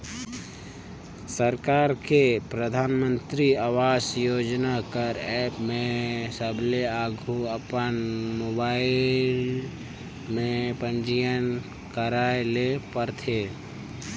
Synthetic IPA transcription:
səɾkaːɾkepɾəd̪ʱaːnmə̃nt̪ɾiawaːsjoːd͡ʒnakəɾɛːpmẽsəbʱleaːɡʱuəpənmoːbaːɪl | mẽpənd͡ʒijən | kəɾaːelepəɾt̪ʰeː

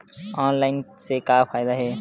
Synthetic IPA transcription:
ɔːnlaːɪnsekapʰaːɪd̪aɦɛː

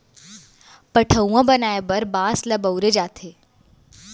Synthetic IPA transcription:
pəʈʰəũãbənaːebəɾbãːsləbəwɾed͡ʒaːt̪ʰeː

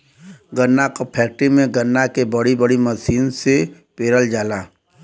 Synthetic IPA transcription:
ɡənːakopʰɛːk̚ʈɾimẽɡənːakebəɽibəɽiməsiːnse | peːɾəld͡ʒaːlaː

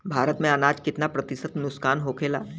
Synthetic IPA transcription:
bʱaːɾət̪mẽɐnaːd͡ʒkɪt̪napɾɐt̪ɪsət̪nʊskaːnɦoːkʰeːla̰ː

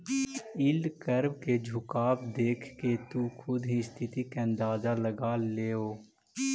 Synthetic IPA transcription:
ɪlkəɾbked͡ʒʱʊkaːbd̪eːkʰket̪ukʰʊd̪ɦĩst̪ʰɪt̪ikeə̃nd̪aːzaləɡaːleːoː

